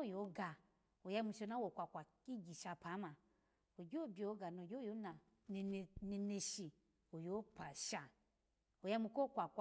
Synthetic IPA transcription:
o˦˨jo˨˦ɡa˨ | o˨ja˧˦mu˧˨ʃo˧˦na˦wo˨kʷa˨kʷa˨ki˦ɡi˨ʃa˨pa˨˦ma˨ | o˨ɡo˦˨bi˨o˨˦ɡa˨no˨ɡʲo˦jo˦na˨ | ne˨ne˧ne˧ʃi˨ | o˨jo˨˦pa˨ʃa˨ | o˨ja˧˦mu˧ko˦˨kʷa˨kʷ

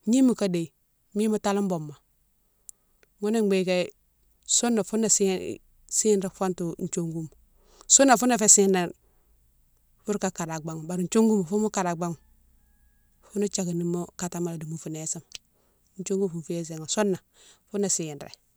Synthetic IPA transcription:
ɲi˦mu˨ka˦de˨i˨ | mi˦mu˦ta˦lu˦m˦bo˨mːa˨ | ŋu˦ne˦ŋɡ͡be˨˦ka˦ | so˦nːa˨fu˦nːa˨sḭ˦ | si˦nɾe˦fa˦ntu˨n̩˨t͡ʃo˦ŋɡu˦m˨ | su˦nːa˨fu˦na˦fe˦si˦nɾa˦˨ | fu˦ɾka˨ka˨ɾa˨ɡ͡ba˦ŋu˨ba˨ɾi˨n˦t͡ʃo˦ŋɡu˦m˨fu˦mu˦ka˨ɾa˨ɡ͡ba˦ŋu˨ | fu˦na˦t͡ʃa˨ɡi˨ni˦mu˦ka˨ta˦ma˨la˨di˨mu˨fu˨ne˨˦si˦m˨ | n˦t͡ʃo˦ŋɡu˦m˨fu˨mfu˦je˦s̬e˨ŋo˨so˦nːa˨ | fu˦nːa˨si˦˨i˨nɾḛ˨

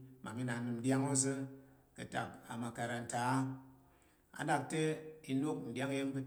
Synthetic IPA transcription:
ma˨mi˦na˨˦nɨ˨mn̩˦dja˦ŋo˦zɨ˦ | kɨ˨ta̰˨ka˨ma˨ka˨ɾa˨n̩˨ta˨˦ | a̰˨da˨k̚te˦i˨no˦k̚n̩˨dja˦ŋ˦je˦ŋ˦bɨ˦

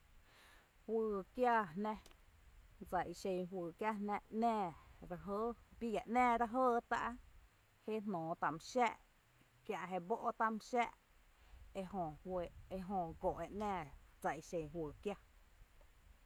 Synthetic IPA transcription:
hwɨː˧kja˦nnɛ̃˦ | d͡za˨ʔi˧˨ʃẽ˧˨ɦwɨː˨kja˦nɛ̃˧ʔnɛ̃ː˧˨ɾa˧ɦəː˦bi˦ja˨ʔnɛ̃ː˦˨ɾa˧ɦəː˦˨t̪a̰˦˧ʔa˦ | he˦nnɔ̃ː˨t̪a˨m˧ʃɛː˦˨ʔ | kjã˧ʔɦe˧bo˦ʔo˦t̪a˧m˧ʃɛ˦ʔ | e˧hõ˧˨˧e˧ɦõ˧ɡo˨ʔe˨ʔnɛ̃ː˧˨d͡za˧˨ʔi˨ʃẽ˧˨ɦwɨː˨kja˦

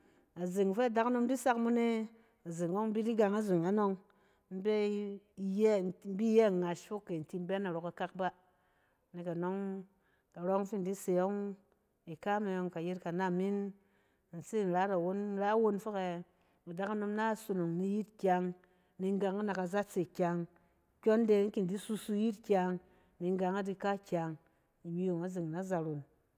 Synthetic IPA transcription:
a˨zi˨ŋ˨fe˦a˨da˦ka˦no˧m˦di˦sa˦kmu˦ne˦ | a˨zi˨ŋ˨wo˦ŋ̩˦bi˦di˦ɡa˧ŋa˦zi˨ŋa˨˦no˧ŋ | m̩˦be˦ | j̩˦˨˦bi˦je˦˨ŋa˨ʃfo˦kːe˨n̩˨ti˧m̩˦be˦na˨ɾo˨ka˧ka˦k̚ba˦ | ni˨ka˨no˦ŋ | ka˨ɾo˦kŋ˦fi˦n˨di˦se˨jo˦ŋ | i˨ka˦me˧jo˧ŋka˨ji˦tka˨na˦mːi˦n˨ | n̩˨se˦˨n̩˨ɾa˦ɾa˨wo˦n˦ɾa˦wo˦nfo˦ke˧ | mu˨da˦ka˦no˧mna˦so˨no˨ŋni˧ji˦tkʲa˧ŋ | ni˧ŋ˦ɡa˨˧ŋa˦na˨ka˨za˦t͡se˨kʲa˧ŋ | kʲo˦nde˧˦ŋ̩˦ki˨n˨di˦su˦su˧˦ji˦tkʲa˧ŋ | ni˧ŋ˦ɡa˧ŋa˦di˧ka˦kʲa˨ŋ | i˨ɲi˦jo˨ŋa˦zi˨ŋna˦za˧ɾo˨n

